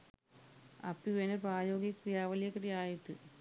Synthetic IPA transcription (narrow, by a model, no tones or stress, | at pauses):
ɐ̰pːiʋenepraːjoːɡjɐkrijaːʋɐljɐkːɐriaːjiʈ̪ːɨ